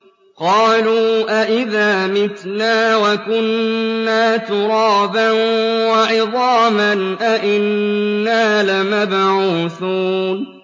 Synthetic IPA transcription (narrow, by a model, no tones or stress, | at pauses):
qɑːluːʔaʔɪðaːmɪt̪naːwakʊnːaːt̪ʊɾˤɑːbanwaʕɪðˤɑːmanʔaʔɪnːaːlamabʕuːθuːn